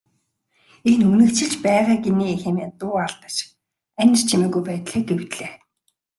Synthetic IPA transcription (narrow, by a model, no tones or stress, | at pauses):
enunɘ̆kt͡ɕʰɪ̆ɮt͡ɕpæːʁaːɡeniːexemeːt̪ʊːaɮt̪ə̆t͡ɕ | æn̆ʲr̥t͡ɕʰimeːɣujpæːt̪ɮeːɡewt̪ɮeː